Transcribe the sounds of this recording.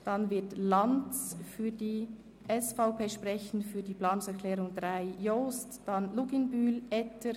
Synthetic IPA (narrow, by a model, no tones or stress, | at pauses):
d̥ɑnvɪɐtlɑnt͡sfyːdiː | ʔɛsfaʊpeːʃpʁɛçn̩tfyːdiːplɑːnʊŋsɛɐkʰlɛːɾʊŋdʁaɪjoːstd̥ɑnluɡɪnbyːlʔɛtʰə